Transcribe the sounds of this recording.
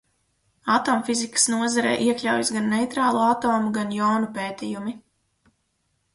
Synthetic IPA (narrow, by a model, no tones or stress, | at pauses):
at̪ɔːmfizikə̥snuɔzaɾɛ̰ːʔiɛklʲawjisɡanːejt̪ɾaːlˠuat̪oːmuɡanjawnupeːt̪ʲijumi